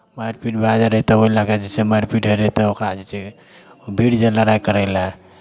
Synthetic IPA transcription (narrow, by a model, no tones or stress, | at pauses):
majɾpiʈbad͡ʒaɾəit̪ɔboilaked͡ʒit͡ʃemajɾpiʈɦəɾəit̪ɔokɾad͡ʒit͡ʃe | bʱiɽd͡ʒəlaɾajkəɾɛla